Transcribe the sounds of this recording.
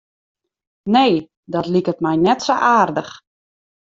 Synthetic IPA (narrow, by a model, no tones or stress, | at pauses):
neː | dɔtlikətmɛjnɛtsoʔaːrdəx